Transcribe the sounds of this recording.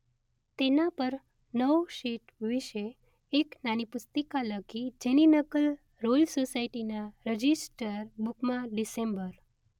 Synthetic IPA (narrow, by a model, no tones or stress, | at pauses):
t̪enapəɾ | nəwʃiʈʋiʃeː | knanipʊst̪əkaləɡid͡ʒeninəkəl | ɾolsosaiʈinaɾəd͡ʒisʈəɾbukmãɖisẽmbəɾ